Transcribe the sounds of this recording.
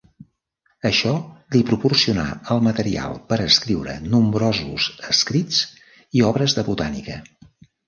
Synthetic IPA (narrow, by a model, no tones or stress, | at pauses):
əʃɔd̪ipɾupursiuna̰əlˠmət̪əɾia̰lˠpəɾəskɾiwɾə̰numbɾɔzṵzəskɾit͡s | iɔβɾəzðəβut̪anikə